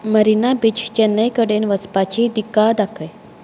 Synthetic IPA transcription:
məɾinabit͡ɕʰt͡ɕenːəjkəɽenʋəspat͡ɕid̪ikad̪akʰəj

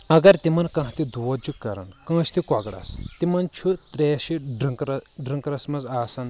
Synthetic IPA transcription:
ɐɡɐɾt̪imɐnkɐ̃ɦt̪id̪uʋɐd͡ʒukːɐ̰ɾɐ̰nkɐ̃ːʃt̪ikwɐɡɽɐ̰st̪imɐnt͡ʃʰut̪ɾeːʃiɖɨŋkɾɐɖɾɨŋkɾɐsmɐzaːsɐn

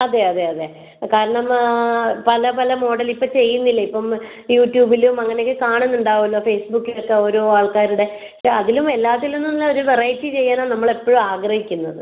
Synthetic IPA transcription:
ɐðe̞ɐðe̞ɐðe̞ | kaːɾɐɳɐm | pɐlɐpɐlɐmo̞ːɽɐlipːot͡ɕe̞jːunːilːɐipːɐm | juːʈːjuːbilumɐŋːɐnekːɨkaːɳunːuɳɖaːʋulːoːfe̞ːsbukːilo̞kːe̞o̞ːɾo̞ːaːɭkaːɾuɽe̞ | ʂeɐðilume̞lːaːt̪ːilunːunlːɐo̞ɾuʋerɐjtːit͡ɕe̞jːaːnaːɭnɐmːɐɭe̞pːoːɻumaːɡrɐhikʲːunːɐðɨ

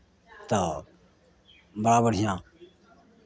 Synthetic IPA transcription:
t̪aː | bəɽaːbəɽ̤ʱɪjãː

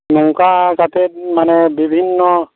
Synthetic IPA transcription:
muŋkakat̪et̪̚manebibʱinːɔ

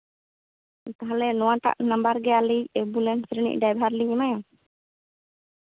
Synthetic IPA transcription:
kaɦalɛnɔ̃wat̪a̰ʔnambaɾɡɛaliɛbulɛnsɾnḭʔ̚ɖajbʱaɾliɲɛmaja

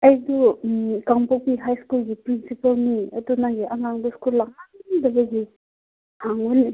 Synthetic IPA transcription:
ɐjdukaŋpokpiɦajskulɡipɾinsipɐlniɐ̰dunaɡiʔɐŋaŋduskulːaŋaŋdɐbɐɡi | haŋuli

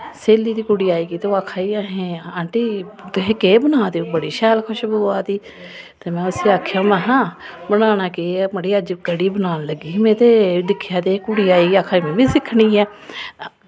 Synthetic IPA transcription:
seːliːd̪iːkʊɽiːaːiːɡiːt̪eoaːkʰaːiːaɦẽːaːɳʈiːt̪ɦẽkeːbənaːd̪iːbəɽiːʃɛːlkʰʊʃboːaːt̪iː | t̪eːmɛ̃ːʊsiːaːkʰjãːmɛ̃ːɦãːbənaːnaːkeːməɽiːəd͡ʒkəɽiːbənaːnləɡiːmẽːt̪eːd̪ɪkʰːjaːt̪eːkʊɽiːaːiːɡiːaːkʰaːimɛ̃ːbiːsɪkʰːɽiːɛː

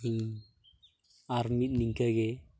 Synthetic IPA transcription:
i | aɾmit̪̚niŋɡəke

